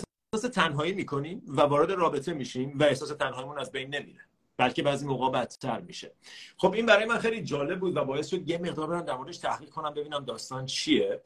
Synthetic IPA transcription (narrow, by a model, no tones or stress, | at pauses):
eh | hsɒːse̞t̪ʰænɦɒːiːmiːkʰo̞niːmvævɒːɾe̞d̪eɾɒːbe̞t̪ʰe̞miːʃimvæe̞hsɒːse̞t̪ʰænɦɒːimunæzbejnːe̞mḭɾe | b̥ælcʰe̞bæːziːmoɣɒːbæt̪ʰːæɾmiʃe̞xo̞bʔiːnbæɾɒːjemænxe̞jlid͡ʒɒːle̞b̚buːd̪væbɒːje̞st̪ʃo̞d̪jeme̞ɣd̪ɒɾbe̞ɾæmd̪æɾmoɾed̪eʃt̪ʰæhʁiːʁ̚kʰo̞næmbe̞biːnæmd̪ɒːst̪ɒnt͡ʃʰije